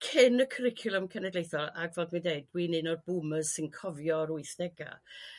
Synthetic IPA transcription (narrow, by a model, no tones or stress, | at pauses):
kʰɪnəkʰəɾɪkʰjʊlˠəmkʰɛnɛdlejθɔlˠaɡvɛːlˠd̚mandeɨd̚wiːnɨnɔrbuməz̥sɨnkʰɔvjɔɾʊɨθd̥ɛɡa̰